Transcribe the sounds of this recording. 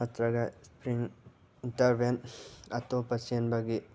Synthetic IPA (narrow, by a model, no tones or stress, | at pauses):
ɐt̪ɾɐɡɐspɾiŋ | intɐɾbenɐtopɐsenbɐɡi